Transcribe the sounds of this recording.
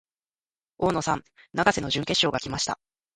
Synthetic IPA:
o̞ːno̞sã̰nnaɡase̞no̞ʑɨ̃ŋke̞ɕːo̞ːɡakʲimaɕi̥t̪a̰

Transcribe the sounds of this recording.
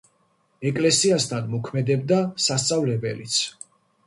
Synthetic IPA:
ɛkʼlɛsiast̪ʰanmɔkʰmɛd̪ɛb̚d̪asast̪sʼavlɛbɛlit̪sʰ

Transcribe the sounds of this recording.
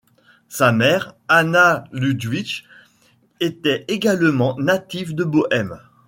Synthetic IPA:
samɛʁanalyd̪ɥit͡ʃ | et̪ɛeɡalmɑ̃nat̪ivd̪əboʔɛm

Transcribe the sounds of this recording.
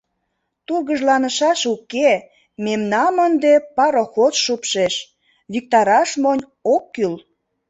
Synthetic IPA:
t̪urɣəʒlɑnəʃɑʃuke | memnɑmənd̪epɑɾoxot͡sʃupʃeʃ | βik̚t̪ɑɾɑʃmonʲ | okːyl

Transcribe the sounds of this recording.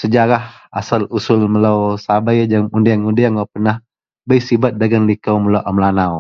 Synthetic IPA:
səd͡ʒaɾah | a̰salusʊlməlawsabajd͡ʒaŋundijaŋundijaŋapənah | bəjsibat̪̚daɡanlikawməlowʔamlanaw

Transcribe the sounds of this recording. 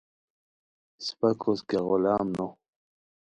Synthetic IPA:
spakʰoskeɣolaːmno

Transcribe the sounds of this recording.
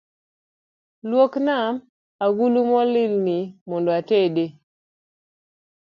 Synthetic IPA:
lwoknam | aɡulumɔlɪlnimɔndɔatede

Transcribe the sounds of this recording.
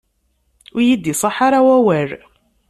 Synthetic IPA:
ʊjid̪ːisˤɑħɑɾˤawæwæɾ

